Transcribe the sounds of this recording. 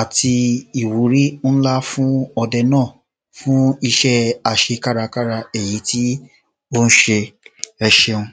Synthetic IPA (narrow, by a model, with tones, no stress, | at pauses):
a˨tʰi˧i˨wu˨˦ɾi˦n̩˦la˦fũ˦ɔ˧dɛ˧nãː˦˨ | fũ˦i˧ʃɛ˦a˨ʃe˧ka˦ɾa˧ka˦ɾa˧e˨ji˨˦ti˦ | o˦n̩˦ʃe˧ɛ˧ʃe˧ũ˧